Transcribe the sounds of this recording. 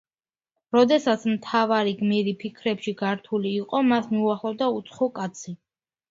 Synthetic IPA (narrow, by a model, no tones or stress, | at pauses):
ɾɔd̪ɛsat̪sʰmt̪ʰavaɾiɡmiɾipʰikʰɾɛpʃiɡaɾt̪ʰuliːqʼɔmasmiuaχlˠɔvd̪aut̪sʰχɔkʼat̪sʰi